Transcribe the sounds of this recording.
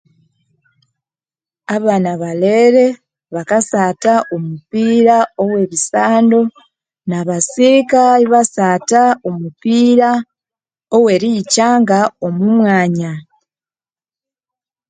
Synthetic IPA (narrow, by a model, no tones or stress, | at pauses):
aβaːnaβaleɾe̞ | βakasataʔomupiɾao̞we̞βisaːndo̞ | naβasikaiβasaːtaomupiɾa | owe̞ɾicaːŋɡao̞mumwaːɲa